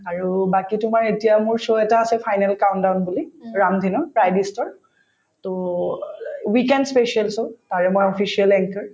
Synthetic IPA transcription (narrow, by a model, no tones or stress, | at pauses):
aɹubakitʊmaɹetijamʊɹsoɛtaːsɛpʰajnɛlkawntdawnbuliɹamdʱinɔpɹajdistɔɹ | to | wikɛndspesialsotaɹɛmojɔpʰisialɛŋkəɹ